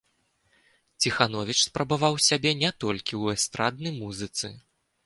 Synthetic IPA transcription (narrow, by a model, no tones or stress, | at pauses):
t͡sʲixanɔvʲit͡ʂspɾɐbavawsʲabʲɛnʲɛt̪ɔlʲkʲiwɛst̪ɾad̪nɐjmuzɨt̪sɨ̰